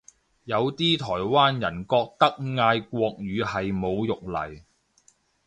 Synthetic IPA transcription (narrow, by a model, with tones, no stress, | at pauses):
jɐ˨˧wt̪iː˥t̪ʰɔː˨˩jwaː˥njɐ˨˩nkɔː˧k̚t̪ɐ˥k̚ŋaː˧jkʷwɔː˧k̚ɥyː˨˧hɐ˨jmo˨˧wjʊ˨k̚lɐ̰˨˩j